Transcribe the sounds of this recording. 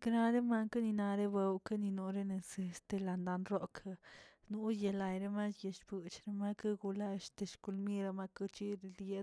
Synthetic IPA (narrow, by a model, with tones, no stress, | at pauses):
kna˧ɾe˦ma˧ŋka˦ni˧na˧ɾe˦be˧wka˦ni˧no˧ɾe˦ne˧se˧st̪e˧la˧nd̪a˧nɾo˦kʰa˧ | nu˦je˧la˨jɾe˦ma˦je˨ʃbɨ˨t͡ʃɾe˦ma˦ka˦ɡu˧la˧ʃt̪e˧ʃku˧lmi˦ɾa˧ma˦kɨ˦t͡ʃi˦ɾi˧lje˧